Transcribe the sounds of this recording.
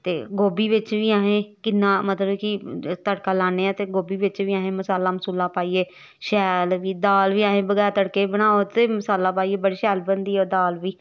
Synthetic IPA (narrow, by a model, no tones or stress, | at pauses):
t̪eːɡoːbiːʋɪt͡ʃʋiːaːɦẽːkɪnːãːmət̪ləbkɪt̪əɽkaːlaːneːãːt̪eːɡoːbiːʋɪt͡ʃʋiːaːɦẽːməsaːlaːməsuːlãːpaːiːeː | ʃɛːlʋiːd̪aːlʋiːãːɦẽːbəɡɛːɾt̪əɽkeːbəɽ̃aːot̪eːməsaːlaːpaːiːeːbəɽiːʃɛːlbənd̪iːoːd̪aːlʋiː